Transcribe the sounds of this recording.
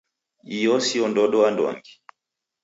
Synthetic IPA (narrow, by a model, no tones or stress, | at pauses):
ijɔsiɔndɔɗɔandwa̰ŋɡi